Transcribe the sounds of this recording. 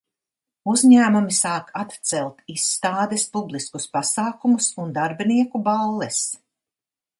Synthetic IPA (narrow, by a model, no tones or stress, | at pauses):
uzɲæːmumisaːkʰat̪t̪sɛlˠt̪isːt̪aːd̪ɛspublˠiskuspasaːkumusund̪aɾbiniɛkubalˠːɛs